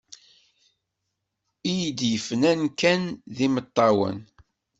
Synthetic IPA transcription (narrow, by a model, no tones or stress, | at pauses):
ijid̪jəfnænkænðimət̪ˤːɑwə̰n